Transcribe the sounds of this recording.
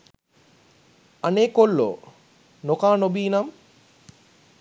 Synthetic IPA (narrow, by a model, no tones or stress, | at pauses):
aneːkolːo̰ | nokaːnobiːnam